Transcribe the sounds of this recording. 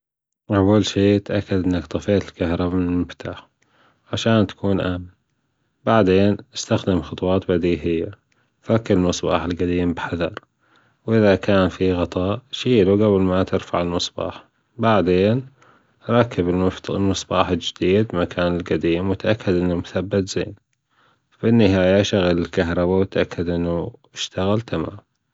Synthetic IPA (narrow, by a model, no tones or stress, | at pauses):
ʔawːalʃiːt̪ʔakːad̪ʔɪnːakt̪ˤɑfeːt̪ɪlkahɾˤɑbamɪnɪlmɪft̪ʰaːħ | ʕaʃaːnt̪ḁkuːnʔaamː | baʕd̪eːnʔɪst̪axd̪ɪmxʊt̪ˤwɑːt̪bad̪iːɦɪjːa | fakːalɪlmɨsˤbɑ̰ːħɪlɡad̪iːmbħaðɑɾˤ | wʔɪðakʰaːnfiɣɑt̪ˤɑːʔʃiːluɡablmat̪ɪɾfaʕɪlmɨsˤbɑ̰ːħ | baʕd̪eːn | ɾˤɑkːɪbɪllmɨsˤbɑ̰ːħɪld͡ʒɪd̪iːd̪̚makʰaːnɪlɡad̪iːmwɪt̪ʔakːad̪ʔɪnːumʊθabːat̪z̥ḛːn | fɪnːɪɦaːjaʃaɣalɪlkaɦɾˤɑbawɪt̪ʔakːad̪ʔɪnːu | ɪʃt̪aɣalt̪ama̰ːm